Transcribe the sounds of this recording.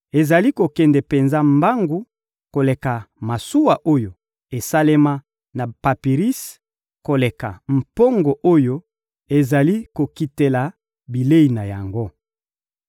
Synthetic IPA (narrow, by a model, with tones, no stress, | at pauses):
e˨za˨li˦ko˨kɛ˨ndɛ˨pe˨nza˦mba˦ŋɡu˦ | ko˨le˨ka˨ma˨su˦wa˨ʔo˦jo˨ | e˨sa˦le˦ma˦ | na˨pa˨pi˨ʁi˦s | ko˨le˨ka˨m̩˨po˦ŋɡo˨ʔo˦jo˦ | e˨za˨li˦ko˨ki˨te˨la˨ | bi˨le˦i˨na˨ja˨ŋɡo˦